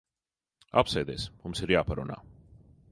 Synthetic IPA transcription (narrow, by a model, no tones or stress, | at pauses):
a̰psɛːd̪ɛ̰ːsmumsiɾjaːpaɾṵna̰ː